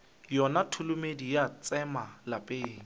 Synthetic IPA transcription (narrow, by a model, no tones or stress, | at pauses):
jɔnatʰʊlʊmedijat͡sʼɛmalapʼeːŋ̩